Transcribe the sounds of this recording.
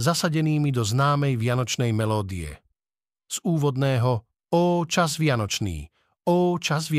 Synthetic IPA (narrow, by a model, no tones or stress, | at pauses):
zasaɟɛniːmid̪ɔznaːmɛjʋɪanɔt͡ʃnɛjmɛlɔːd̪iɛ̰ | z̥uːʋɔd̪nɛːɦɔ | ɔːt͡ʃazʋɪanɔt͡ʃnḭː | ɔːt͡ʃazʋɪ